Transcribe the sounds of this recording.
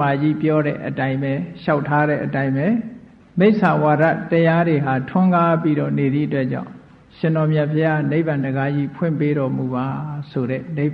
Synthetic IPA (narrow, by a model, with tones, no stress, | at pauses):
a˨d͡ʑḭ˦˨pjɔ˦ɾɛ̰˦˨ʔətã˦ɪ̃mbɛ˨ʃa˦ʊtʰːa˦ɾɛ̰˦˨ʔətã˦ɪ̃mɛ˨ | me˦ɪʔsã˨wa˨ɾa̰˦˨təja˦ɾe˨ɦa˨tʰʊ̃˦ŋɡa˦pi˦ɾɔ̰˦˨ne˨d̪i˦˨ʔətwɛ˦ʔt͡ɕã̰˦˨ʊ̃ | ʃɪ̃˨nɔ˨mja˨pʰəja˦˨ne˦ɪpã˨ndəɡa˦d͡ʑḭ˦˨pʰwɪ̰̃˦˨mpe˦ɾɔ˨mu˨ba˨so˨ɾɛ̰˦ne˦ɪ